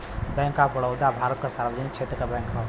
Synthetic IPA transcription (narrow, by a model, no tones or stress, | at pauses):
bɛ̃ːŋkːabəɽəwd̪abʱaːɾət̪kasaːɾʋəd̪ənɪkʃʰeːt̪ɾəkabɛ̃ːŋkɦa